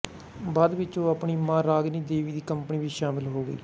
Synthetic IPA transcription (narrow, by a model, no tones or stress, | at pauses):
baːd̪ʋɪt͡ʃõːapɳiːmãːɾaːɡniːd̪eːʋiːd̪iːkəmpəniːʋiːʃaːmɪlɦoːɡə̰ḭː